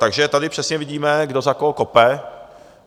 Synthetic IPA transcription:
t̪aɡʒɛt̪adɪpr̥ɛsɲɛvɪɟiːmɛɡdozakokopɛ

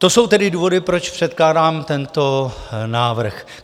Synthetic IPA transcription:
t̪o̞so̞wt̪ɛdɪduːvo̞dɪpɾot͡ʃpr̥ɛt̪̚klaːdaːmt̪ɛnt̪o̞naːvr̩x

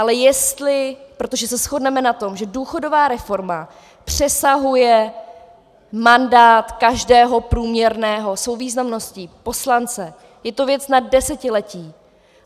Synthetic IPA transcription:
ʔalɛjɛst̪lɪpɾo̞t̪o̞ʒɛsɛsxo̞dnɛmɛnat̪o̞mʒɛduːxo̞do̞vaːɾɛfo̞ɾma | pr̝̥ɛsaɦujɛ | mandaːt̪kaʒdɛːɦo̞pɾuːmɲɛɾnɛːɦo̞svowviːznamno̞sciːpo̞slant͡sɛ | jɛt̪o̞vjɛt͡snad̚ːɛsɛcɪlɛciː

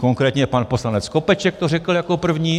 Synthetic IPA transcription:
koŋkɾɛːt̪ɲɛpanpo̞slanɛt͡skopɛt͡ʃɛk̚t̪orɛkl̩jakopr̩vɲiː

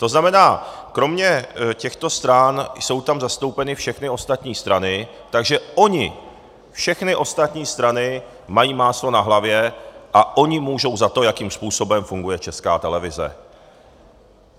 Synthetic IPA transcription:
t̪o̞znamɛnaːkɾo̞mɲɛcɛxt̪o̞st̪ɾanjso̞wt̪amzast̪o̞wpɛnɪfʃɛxnɪo̞st̪at̪ɲiːst̪ɾanɪ | t̪aɡʒɛʔo̞ɲɪ | fʃɛxnɪʔo̞st̪at̪ɲiːst̪ɾanɪ | majiːmaːslo̞naɦlavjɛʔaʔo̞ɲɪmuːʒo̞wzat̪o̞jakiːmspuːso̞bɛmfuŋɡujɛt͡ʃɛskaːt̪ɛlɛvɪzɛ̰

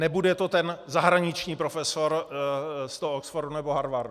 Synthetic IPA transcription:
nɛbudɛt̪o̞t̪ɛnzaɦɾaɲɪt͡ʃɲiːpɾofɛso̞ɾ | st̪ooksfordunɛboɦaɾvaɾd

